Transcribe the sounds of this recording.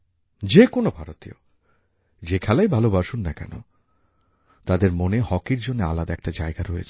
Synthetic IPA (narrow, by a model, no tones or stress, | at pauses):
d͡ʑekonobʱaɾot̪io̰ | d͡ʑekʰɛlajbʱalobaʃunːakɛ̰no̰ | t̪ad̪eɾmonehɔkiɾd͡ʑonːea̰lad̪aɛk̚ʈad͡ʑaeɡaɾɔḛt͡ɕʰ